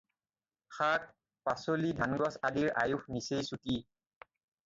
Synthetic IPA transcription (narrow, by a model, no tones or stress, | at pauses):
xak̚ | pasolidʱanɡɔsadiɹʔajuxnisejsuti